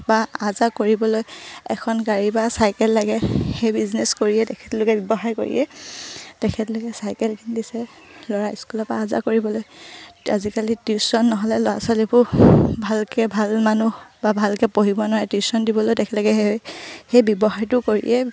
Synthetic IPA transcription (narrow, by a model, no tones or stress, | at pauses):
baazakoɹibɔlojɛkʰɔnɡaɹibasajkɛlːaɡɛxejbizneskoɹiɛtɛkʰɛ̥tlokɛbibɔɦaɹko̰ɹḭjɛ̰ | tɛkʰɛtlokɛsajkɛlkʰindisɛ | lɔɹaiskulɔaːza̰koɹibɔloja̰zikalitisɔnːɔɦɔlɛlɔasɔlipʊbʱalkɛbʱalmanubabʱalkɛpoɦibɔnaɹɛtisɔndibɔlojdɛkʰɛlɔɡɛɛxejbɔbɔxaɹtʊkoɹḭjʔɛ